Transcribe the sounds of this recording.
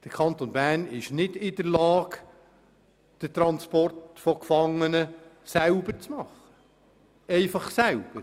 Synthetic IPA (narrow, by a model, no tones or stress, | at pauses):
d̥əɾkʰɑnt̪onbæːnɪʃnɪdɪd̥əɾlɑːɡ | d̥ət̪ɾɑnspɔrtfɔkfɑŋːənəsæʊbəɾt͡smɑχːə̥ | ɛɪfɑχsæwb̥əɾ